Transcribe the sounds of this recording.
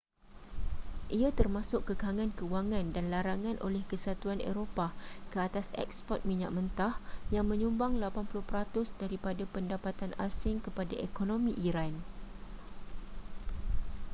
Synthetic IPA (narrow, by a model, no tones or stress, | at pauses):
ʔiat̪ərmãsʊkkːəkaŋãnkəuwaŋãndanlaɾaŋãnʔo̰lɛhkəsat̪uanḛɾopakəat̪asɛ̰k̚spɔt̪̚mĩɲa̰ʔ̚mə̃nt̪ahjaŋmə̃ɲumbaŋlapanpulʊhpəɾat̪ʊsdaɾipadapəndapat̪anasɪŋkəpadaʔekonõmĩʔiɾan